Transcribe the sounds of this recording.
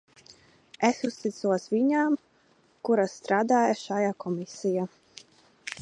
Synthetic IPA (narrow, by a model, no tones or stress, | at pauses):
esust̪it̪suɔsviɲaːm | kuɾasːt̪ɾaːd̪aːjaʃajakɔmisija